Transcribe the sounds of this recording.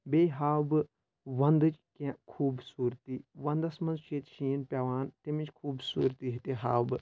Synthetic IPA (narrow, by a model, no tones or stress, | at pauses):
beːɦaːwbɨ | ʋɐnd̪ɨt͡ʃkʲãkʰuːbsuːɾt̪iːʋɐnd̪ɐsmɐnzt͡ʃʰeːt̪ʃiːnpʲaʋaːnt̪emĩt͡ʃkʰuːbsṵːɾt̪iɦit̪eɦa̰ːwbɨ